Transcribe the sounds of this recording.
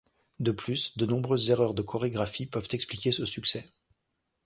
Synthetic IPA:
d̪əplysd̪ənɔ̃bʁøzːeʁœʁd̪əkʰɔʁeɡʁafipœvt̪ɛksplikʲesəsyksɛ

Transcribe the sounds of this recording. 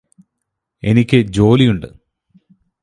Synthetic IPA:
e̞nikʲːɨd͡ʑo̞ːlijuɳɖɨ̰

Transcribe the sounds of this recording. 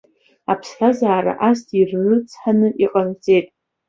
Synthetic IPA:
apʰsħazaːɾa̰ʔastʰirːɨt͡sʰʼħanɨʔiqʼant͡sʼe̞jtʼ

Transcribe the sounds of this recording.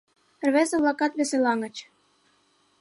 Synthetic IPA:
rβezĕβlˠɑkɑt̪βeselɑŋə̆t͡ɕ

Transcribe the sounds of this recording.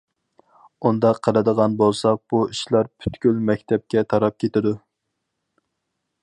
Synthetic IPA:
und̪ɑqʰːəlˠɨd̪əʁɑnbolˠsɑq̚b̥uiʃlˠɑɾpʰy̥t̪kʲylmɛkʲt̪ʰɛp̚kʲɛt̪ʰɑɾɑp̚kʲʰet̪ɪd̪u

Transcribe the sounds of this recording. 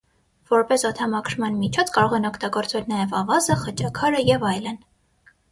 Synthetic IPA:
vɔɾpɛsɔt̪ʰɑmɑkʰɾmɑnmit͡ʃʰɔt͡sʰkɑɾɔʁɛnɔkʰt̪ɑɡɔɾt͡svɛlnɑjɛvɑvɑzəχət͡ʃɑkʰɑɾəjɛvɑjlən

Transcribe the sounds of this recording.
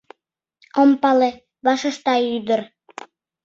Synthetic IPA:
ompɑle | βɑʃɤ̆ʃt̪ɑyd̪ə̆r

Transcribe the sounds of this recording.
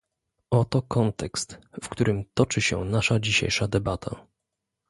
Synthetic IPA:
ɔt̪ɔkɔnt̪ɛkst̪fkt̪uɾɘmt̪ɔt͡ʂɘɕɛ̰naʂad͡ʑiɕḛjʂad̪ɛbat̪ʰa̰

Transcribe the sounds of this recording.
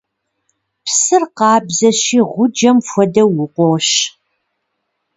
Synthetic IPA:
psɨrqɑːbzɐɕiːʁʷʊd͡ʒɐmfʷɔdɐwʊqʷɔwɕ

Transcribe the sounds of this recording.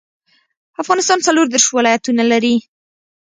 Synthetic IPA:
afɣɑnɪst̪ɑnt͡saloɾd̪eɾʃwɪlɑjat̪unalaɾi

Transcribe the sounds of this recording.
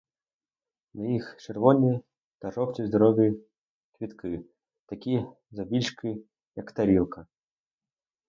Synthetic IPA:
nɐixt͡ʃɛrvɔnʲːij | t̪aʐɔpt͡sʲizd̪aɾɔɣʲij | kvʲit̪kʰɨ | t̪akʲi | zabʲilʲʂkɨ | jɐkt̪aɾʲilˠkɐ

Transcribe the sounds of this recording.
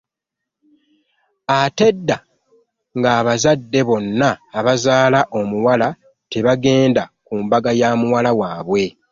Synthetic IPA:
ate̞dːa | ŋɡaːβazadːe̞βo̞nːaːβazaːlaʔo̞muwala | te̞βaɡe̞ːndakuːmbaɡajaːmuwalawaːβwe̞

